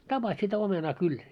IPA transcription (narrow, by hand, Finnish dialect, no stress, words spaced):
tɑpɑs sitæ omenɑː kyl